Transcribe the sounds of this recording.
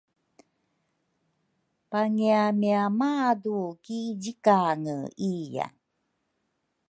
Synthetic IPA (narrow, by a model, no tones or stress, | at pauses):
paŋiamiamadukiɟikaŋəija̰